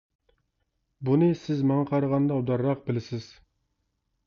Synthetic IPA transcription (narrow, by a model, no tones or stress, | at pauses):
bunɨsɪzmɑŋɑqʰɑɾəʁɑnd̪ɑud̪ɑɾːɑq̚bɪlɪsɪz̥